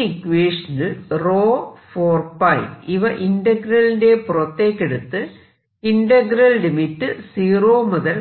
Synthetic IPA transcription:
ikːʋeːʂɐnɐlroːfoːrpɐjʋiʋɐʔindɐɡɾɐlinde̞purɐt̪ːeːkːeɽut̪ːɨ | inɖɐɡɾɐllimitːɨsiːroːmuðɐl

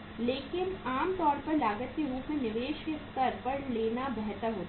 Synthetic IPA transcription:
leːkɪnaːmt̪ɔːɾpɐɾlaːɡət̪̚keɾuːpmẽnɪʋeːʃkest̪ɐɾpɐɾleːnabɛɦt̪əɾɦoːt̪

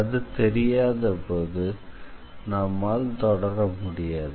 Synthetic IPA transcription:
ɐðɯt̪ɛɾɪjaːðɐpoːðɯ | nɐmːaːlt̪ɔɽɐɾɐmʊɽɪjaːðɯ

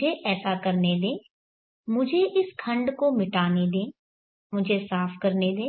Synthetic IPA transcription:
eʔɛːsakɐɾned̪ẽː | mʊd͡ʒʱeʔɪskʰɐ̃ɳɖkomɪʈaːned̪ẽː | mʊd͡ʒʱesaːfkɐɾned̪ẽː

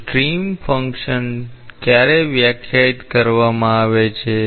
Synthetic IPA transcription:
ʈɾimfʰəŋkʃənkjaɾeʋjəkʰjait̪kəɾʋamãaʋet͡ʃʰe

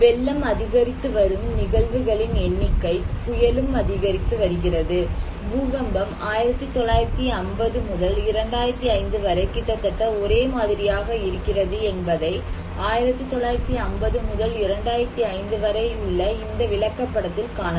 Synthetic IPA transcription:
ʋɛlːɐmɐðɪɣɐɾɪt̪ːɯʋɐɾɯmnɪɣɐɭʋɯɣɐɭɪnɛɳːɪkːɐɪpʊjɐlɯmɐðɪɣɐɾɪt̪ːɯʋɐɾɯɣɪrɐðɯ | buːɣɐmbɐmaːjɪɾɐt̪ːɯt̪ɔɭːaːjɪɾɐt̪ːiɐnbɐðɯmʊðɐlɪɾɐɳɖaːjɪɾɐt̪ːiɐɪnd̪ɯʋɐɾɐɪkːɪʈ̪ːɐt̪ːɐʈːɐɔɾeːmaːðɪɾɪjaːɣɐɪɾɯkːɪrɐðɯɛnbɐðɐɪ | aːjɪɾɐt̪ːɯt̪ːɔɭːaːjɪɾɐt̪ːiɐmbɐðɯmʊðɐlɪɾɐɳɖaːjɪɾɐt̪ːiɐɪnd̪ɯʋɐɾɐɪʊɭːɐɪnd̪ɐʋɪɭɐkːɐpːɐɽɐt̪ːɪlkaːnɐ

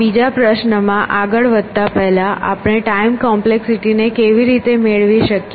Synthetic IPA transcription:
bid͡ʒapɾəʃnəmãʔaɡəɭʋəd̪̚ʱt̪apɛɦlaʔa̰pɽ̃eʈaimkɔmpleksiʈinekeʋiɾit̪emeɭʋiʃəkj

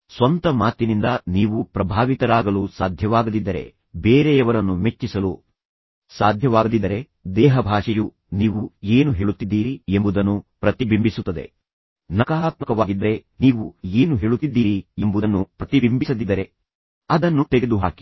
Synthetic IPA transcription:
sʋɐnt̪ɐmaːt̪inind̪ɐniːʋupɾɐbʱaːʋit̪ɐɾaːɡɐlusaːd̪ʱjɐʋaːɡɐd̪id̪ːɐɾe̞̰ | beːɾeɐʋɐɾɐnːume̞t͡ʃːisɐlu | saːd̪ʱjɐʋaːɡɐd̪id̪ːɐɾe̞ | d̪ɛːɦɐbʱaːʂɐju | niːʋue̞ːnuɦe̞ːɭut̪ːid̪ːiːɾiembud̪ɐnːupɾɐt̪ibimbisut̪ːɐd̪e̞̰ | nɐkaaːt̪mɐkɐʋaːɡid̪ɐɾe̞niːʋueːnuɦe̞ːɭut̪ːid̪ːiːɾiembud̪ɐnːupɾɐt̪ibimbisɐd̪id̪ːɐɾe̞ | ɐd̪ɐnːut̪eɡed̪uɦa̰ːki̥

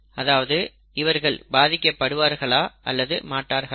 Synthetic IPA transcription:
ɐðaːʋɐðɯ | ɪʋɐɾɣɐɭbaːðɪkːɐpːɐɽɯʋaːɾɣɐɭaːʔɐ̰lːɐðɯ̰maːʈːaːɾɣɐ

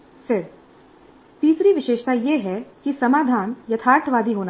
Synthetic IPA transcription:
seɾ | t̪iːsɾiʋɪʃeːʃt̪ajeɦɛkisɐmaːd̪ʱaːnjɐt̪ʰaːɾʈ̪ʰʋaːd̪ʱiɦoːna

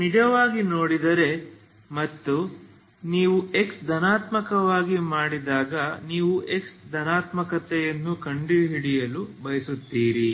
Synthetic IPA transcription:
nid͡ʒɐʋaːɡinoːɽid̪ɐɾe̞ | mɐt̪ːu | niːʋue̞ksd̪ʱɐnaːt̪mɐkɐʋaːɡimaːɽid̪aːɡɐniːʋue̞ksd̪ʱɐnaːt̪mɐkɐt̪ɛjɐnːukɐɳɖiɦiɽijɐlubɐjɐsut̪ːiːɾi

